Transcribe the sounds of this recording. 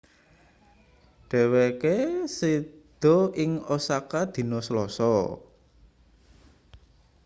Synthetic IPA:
ɖ̥ɛ̤wekesid̪̥ɔ̤ɪŋosakad̪̥i̤nɔslɔsɔ

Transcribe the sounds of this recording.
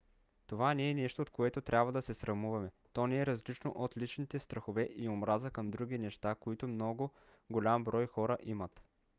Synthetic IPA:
t̪ovanɛːnɛʃt̪oːt̪̚koɛt̪ot̪ɾʲabvɐd̪ɐsɛsɾɐmuvɐmɛ | t̪ɔnɛɛɾɐzlit͡ʃno̰ʔot̪lit͡ʃnit̪ɛst̪ɾɐxovɛʔiomɾazəkəmd̪ɾuɡʲinɛʃt̪akoit̪omnɔɡo | ɡolʲambɾɔjxɔɾəʔimət̪

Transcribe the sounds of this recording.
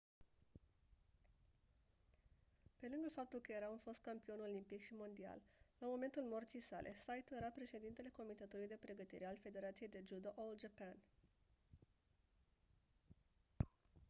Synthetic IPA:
pe̞lɨŋɡəfap̚t̪ulkəje̞ɾaunfo̞st̪̚kampio̞no̞limpikʃimo̞nd̪ia̰llamo̞me̞nt̪ulmo̞rt̪sijsa̰lʔe̞sajt̪uje̞ɾapɾe̞ʃe̞d̪int̪e̞le̞ko̞mit̪e̞t̪ulujd̪e̞pɾe̞ɡət̪ḭɾealfe̞d̪e̞ɾat̪sije̞jd̪e̞d͡ʒud̪oʔold͡ʒapan

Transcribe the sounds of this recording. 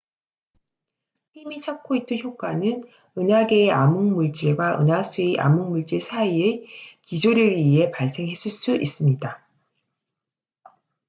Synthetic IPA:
himit͡ɕʰak̚k͈oit͈ɯnçjok̚k͈anɯn | ɯnaɡeːʔamuŋmuɭt͡ɕ͈iɭɡwaʔɯ̰nas͈ʰueʔa̰muŋmuɭt͡ɕ͈iɭsʰaiɯkid͡ʑʰuɾɯɥiɦe̞paɭs͈e̞ŋɦe̞s͈ɯɭs͈uʔis͈ɯmɲida

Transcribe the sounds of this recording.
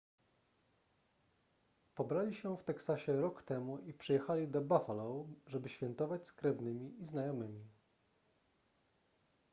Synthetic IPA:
pɔbɾalʲiɕɛft̪ɛksaɕɛɾɔkt̪ɛmuʔipʂɘjɛxalʲid̪ɔbafalɔwʐɛbɘɕfʲɛnt̪ɔvat͡ɕskɾɛvnɘmʲiiznajɔmɘmʲi

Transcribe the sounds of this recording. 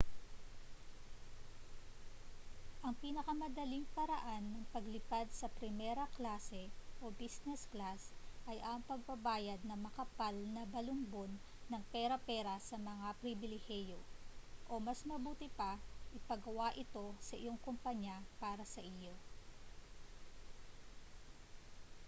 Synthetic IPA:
ʔɐŋpinɐkɐmɐd̪ɐliŋpɐɾɐʔanːɐŋpɐɡlɪpad̪̚sɐpɾɪmɛɾɐklaːsɛʔo̞bisnɛsklasʔɐjʔɐŋpɐɡ̚pɐbaːjɐd̪̚nɐmɐkɐpalnɐbɐlʊmbo̞nː | ɐŋpɛɾɐpɛːɾɐsɐmɐŋapɾɪbɪlɪhɛjo̞ʔo̞mɐsmɐbuːt̪ɪpɐʔɪpɐɡɐwaʔɪt̪o̞sɐʔɪ̰jo̞ŋkompɐɲapaːɾɐsɐʔɪjo

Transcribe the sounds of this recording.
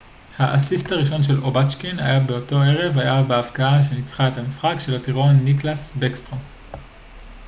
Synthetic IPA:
haʔasisthaʁiʃo̞nʃe̞lo̞bat͡ʃkina̰jabe̞o̞to̞e̞ʁe̞vajabeavkaaʃ̬e̞nit͡sχaetamisχakʃe̞latiʁo̞nːiklasbekstʁo

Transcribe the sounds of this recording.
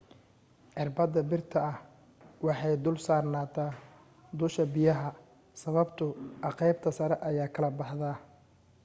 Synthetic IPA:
ʕɪrbɐd̪ɐbɪrt̪ʰɐɐh | wɑħɑjd̪ʊlsaːrnaːt̪ʰaː | d̪ʊʃɐbɪjɐɦɐ | sɐβɐbt̪ʰʊʔɑqɛjbt̪ʰɐsɐɾɛʔɐjaːkʰɐlɐbɑħðɐ

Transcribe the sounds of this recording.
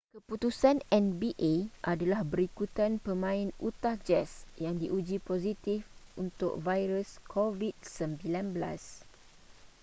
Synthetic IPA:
kəput̪usanɛnbiʔeʔadalahbəɾikut̪anpəmãɪ̃nut̪ahd͡ʒɛsjaŋdiʔud͡ʒipozit̪ifunt̪ʊ̰k̚vajɾəskʰovid̚səmbilanbəla̰s

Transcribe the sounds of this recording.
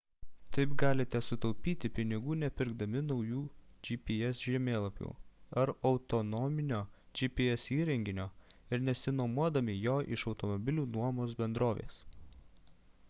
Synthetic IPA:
t̪ɐɪpɡɑːlʲɪt̪ʲɛsʊt̪ɔʊpʲiːt̪ʲɪpʲɪnʲɪɡuːnʲɛpʲɪɾɡd̪ɐmʲɪnɒʊjuːd͡ʒʲipʲiɛsʒʲɛmʲeːlˠɐpʲṵːɐɾɒʊt̪ɔnɔmʲɪnʲoːd͡ʒʲipʲiɛsiːɾʲɛŋʲɡʲɪnʲoːɪɾnʲɛsʲɪnoːmuɔd̪ɐmʲɪjoːʔɪʃɒʊt̪ɔmɔbʲɪlʲuːnuɔmoːs̬bʲɛnd̪ɾoːʋʲḛːs

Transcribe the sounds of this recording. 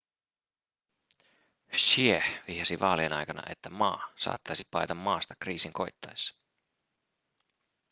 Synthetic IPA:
ʃiehʋiːhɑsiʋɑ̰ːlienɑ̰jkɑnɑ̰ʔe̞t̪ːæmɑːsɑ̰ːt̪ːɑjsipɑjt̪ɑmːɑːst̪ɑ̥kriːsiŋko̞jt̪ːɑjsɑ̥

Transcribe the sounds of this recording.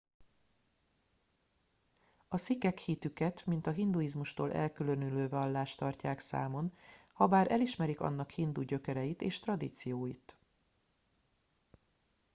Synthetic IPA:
ɒsikɛkhit̪ykɛt̪mint̪ɒɦind̪ujizmuʃt̪oːlʔɛ̰lkylønyløːvɒlːaːʃt̪ɒrcaːksa̰ːmo̞nhɒbaːɾʔɛliʃmɛɾikɒ̰nːɒkhind̪uɟø̞kɛɾɛjit̪eːʃt̪rɒd̪iːt̪sijoːjit̪

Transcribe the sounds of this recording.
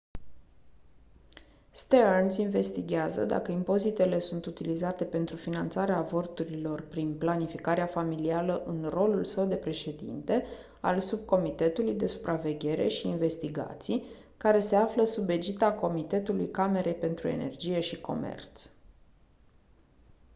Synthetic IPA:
st̪eansinve̞st̪iɡʲazə̰d̪a̰kəimpo̞zit̪e̞le̞sunt̪ut̪ilizat̪e̞pe̞nt̪ɾufinant̪saɾeavo̞rt̪uɾilo̞rpɾinplanifikaɾeafamilialəʔɨnro̞lulsəwd̪e̞pɾe̞ʃe̞d̪ḭnt̪e̞ | a̰lsub̚ko̞mit̪e̞t̪ulujd̪e̞su̥pɾʔave̞ɡʲe̞ɾe̞̰ʃiːnve̞st̪iɡa̰t̪sij | kaɾe̞se̞afləsube̞d͡ʒit̪ako̞mit̪e̞t̪ulujkame̞ɾʔe̞jpe̞nt̪ɾue̞̰ne̞̰rd͡ʒije̞ʃiko̞̰mḛrt̪s

